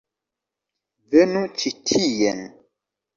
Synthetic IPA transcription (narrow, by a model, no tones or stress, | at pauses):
venut͡ʃitʰijɛn